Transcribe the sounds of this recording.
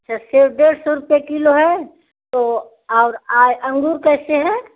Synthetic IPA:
ɐtːʃʰasɪɾpʰɖeːɽsɔɾʊpekiloɦɛ | t̪o | ɔːɾaːd͡ʒɐ̃ŋɡuːɾkɛːseɦɛ̃

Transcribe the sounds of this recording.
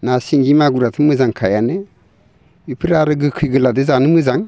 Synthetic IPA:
nasiŋɡimaɡuɾatʰɯmɯzaŋkʰajane | ipʰɯɾaɾɯɡɯkʰɯjɡɯladezanɯmɯzaŋ

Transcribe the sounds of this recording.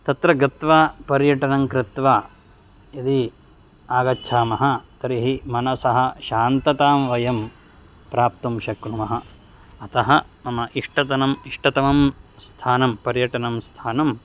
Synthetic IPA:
t̪ɐt̪ɾɐɡɐt̪ʋaːpɐɾjɐʈɐnɐŋkɾɪt̪ʋaː | id̪i | aːɡɐtːt͡ʃʰaːmɐɦɐt̪ɐɾiɦimɐnɐsɐɦɐʃaːnt̪ɐt̪aːmʋɐjɐm | pɾaːpt̪umʃɐkɳumɐɦɐ | ɐt̪ɐɦɐnɐmɐʔiʂʈɐt̪ɐnɐmiʂʈɐt̪ɐmɐmst̪ʰaːnɐmpɐɾjɐʈɐnɐmst̪ʰaːnɐm

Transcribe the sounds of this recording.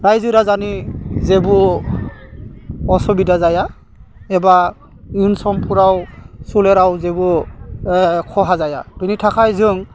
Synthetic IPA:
ɹajzɯɾazanizebu | ɔsɔbidazaja | ɛba | junsɔmpʰuɹawsulɛɾawzebu | kʰɔɦazaja̰tunitʰakʰajzɯŋ

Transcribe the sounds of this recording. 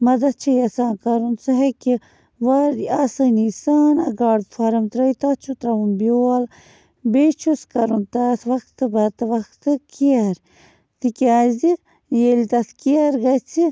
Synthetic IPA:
mɐd̪ɐt͡ʃʰɐjɐsaːnkɐɾunsɐɦeki | ʋɐɾaːsɐnisaːnɐɡaːɽd̪fʰɐɾɐmt̪ɾɐjt̪ɐt͡ʃʰut̪ɾɐʋunboɐl | bet͡ʃʰuskɐɾunt̪ɐsʋɐkt̪ɨbɐt̪ɨʋɐkt̪ɨkiɐɾ | t̪ikʲaːzi | jelit̪ɐskiɐɾɡɐt͡sʰi

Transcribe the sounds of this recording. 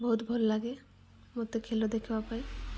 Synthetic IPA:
bɔɦut̪bʱɔllaɡe | mot̪ekʰelod̪ekʰebapai

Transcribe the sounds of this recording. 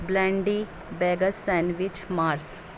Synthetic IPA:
blɛ̃ːɳɖi | bɛːɡəsːɛ̃ːnʋit͡ʃmaːɾs

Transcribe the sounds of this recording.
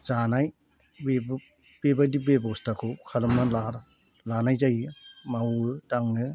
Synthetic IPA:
z̥anaj | beb | b̥ebadibebɔstakʰɯwkʰalɯmnalaɾ | lanajzajɯmawɯdaŋɯ

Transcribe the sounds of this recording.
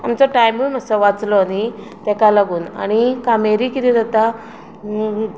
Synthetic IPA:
amt͡sɔʈajmuməsəʋat͡slɔani | t̪ɛkalaɡuːna̰ñikameɾikit̪id̪ət̪a

